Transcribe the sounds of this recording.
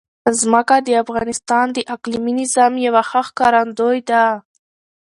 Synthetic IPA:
zmakad̪əafɣɑnɪst̪ɑnd̪əʔakliminɪzɑmjawaxaxkɑɾand̪ojd̪a

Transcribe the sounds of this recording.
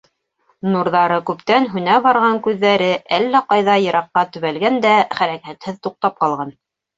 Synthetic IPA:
nuɾðɑɾɤkʉpt̪ænɦʉnæβɑɾʁɑŋkʉðːæɾɘʔælːæqɑjðɑjɤ̆ɾɑqːɑt̪ɵ̆βælɡænd̪æχæɾækæt̪hɘðt̪uq̚t̪ɑp̚qɑlˠʁɑn

